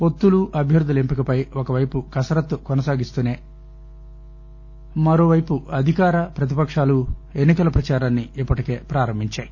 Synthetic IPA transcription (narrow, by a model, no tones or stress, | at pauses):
po̞t̪ːuluʔɐbʱjɐɾud̪ʱːulempikɐpɐjokɐʋɐjpukɐsɐɾɐt̪ːukɔnɐsaːɡist̪uːneː | mɐɾo̞ːʋɐjpuɐd̪ʱikaːɾɐpɾɐt̪̬ipɐkʂaːlue̞nːikɐlɐpɾɐt͡ʃaːɾaːnːiipːɐʈike̞ːpɾaːɾɐmbʱiɲt͡ʃaːji